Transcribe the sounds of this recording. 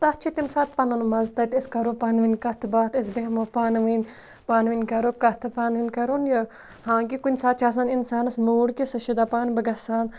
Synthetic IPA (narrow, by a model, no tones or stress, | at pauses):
t̪ɐt̪t͡ʃʰit̪imsaːt̪̚pɐnɐnmɐzt̪ɐt̪ɐskɐɾopɐnʋinʲkɐt̪ʰɨbaːt̪ɐs̬beɦmopaːnʋinʲ | paːnʋinʲkɐɾoːkɐt̪ʰɨpaːnʋinʲkɐɾonjɐ | hãːkikunʲsaːt̪̚t͡ʃʰaːs̬ãːninsaːnɐsmuːɽkisɐʃud̪aːpaːnbɐɡɐsaːn